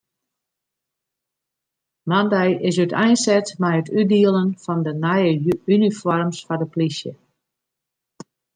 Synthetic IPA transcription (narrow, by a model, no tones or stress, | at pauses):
mandɛjʔɪs̬ytʰɛjnsɛtmɛjətʰydiəlˠənfɔndənajəynifɔrmsfadəplisjə̰